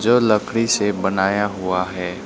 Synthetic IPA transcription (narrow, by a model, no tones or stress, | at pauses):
d͡ʒoːlɐkʰɽisebɐnaːjaɦʊaɦɛː